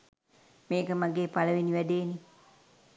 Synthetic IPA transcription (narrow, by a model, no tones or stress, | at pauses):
meːkəmaɡepalawiniʋadeni